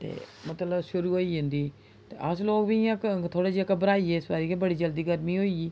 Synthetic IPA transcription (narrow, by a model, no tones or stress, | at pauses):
t̪ḛːmət̪ləbʃʊɾuːɦoːiːɦʊ̃nd̪iː | t̪ḛːʔəsloːkbiːakt̪ʰoːɽeːd͡ʒiəkəbəɾaːiːɛːɪsbaːɾiːkeːbəɽiːd͡ʒəld̪iːɡəɾmĩːɦoːiːiː